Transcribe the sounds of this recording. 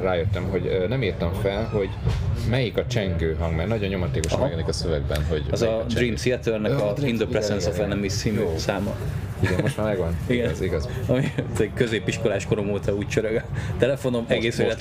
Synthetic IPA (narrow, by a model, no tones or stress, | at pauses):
raːjøt̪ːɛmɦo̞ɟnɛmiːrt̪ɒɱfɛlɦo̞ɟmɛjikɒt͡ʃɛŋɡøːɦɒŋɡmɛɾnɒɟo̞ɲːo̞mɒt̪eːkoʃmɛɡɛnikɒsøvɛɡ̚bɛnɦo̞ɟɒzɒd̪riːmsiɛt̪ørnɛkɒind̪oprɛzɛnzofɛnɛmisiːmøsaːmɒ | iɡmmoʃt̪maːɾmɛɡɒniɡɛnziɡɒzɒmit̪kø̞zeːpiʃkolaːʃkoɾomoːt̪ɒuːct͡ʃøɾøɡɛt̪ɛlɛfo̞no̞mɛɡeːsʋeːlɛt̪